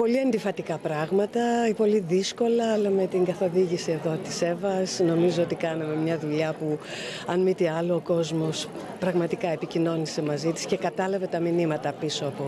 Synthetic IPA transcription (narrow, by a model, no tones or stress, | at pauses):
po̞liɐnd̪ifɐt̪ikɐpɾɐɣmɐt̪ɐipo̞liðisko̞lɐɐlɐme̞t̪iŋɡɐθo̞ðiʝisie̞ðo̞t̪i̥se̞vɐsno̞mizoot̪ikɐnɐme̞mɲɐðuʎɐpuɐnmit̪iɐloːko̞zmo̞s | pɾɐɣmɐt̪ikɐe̞picino̞nise̞mɐzit̪i̥sce̞kɐt̪ɐlɐve̞t̪ɐminimɐt̪ɐpiso̞ɐpo